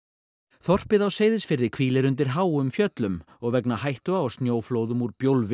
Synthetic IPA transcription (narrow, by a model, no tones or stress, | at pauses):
θɔr̥pɪðawseːjðɪsfɪɾðɪkʰviːlɪɾʏnt̪ɪɾ̥ɦaːwʏmfjœt̪lʏm | ɔɣvɛknahajht̪ʏaast̪njoːwfloːwðʏmuɾpjowlvɪ